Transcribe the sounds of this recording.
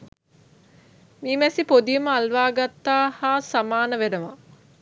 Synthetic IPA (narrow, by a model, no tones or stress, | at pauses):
miːmɛsipod̪ijəməalʋaːɡat̪ːaːhaːsamaːnəʋeɾəʋa̰